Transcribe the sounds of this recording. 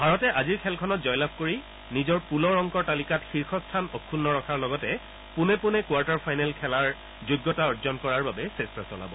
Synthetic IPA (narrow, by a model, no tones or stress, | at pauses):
bʱaɹɔtɛʔaziɹkʰɛlkʰɔnɔtzɔjlab̚koɹi | nizɔɹpulɔɹɔŋkɔɹtalikatxiɹxʰɔstʰanɔkʰːunːɔɹɔkʰaɹlɔɡɔtɛ | pʊnɛpʊnɛkwaɹtaɹpʰajnɛlkʰɛlaɹ | zʊɡːɔtaɔɹzɔnkɔɹaɹbabɛsestɹasɔla̰bɔ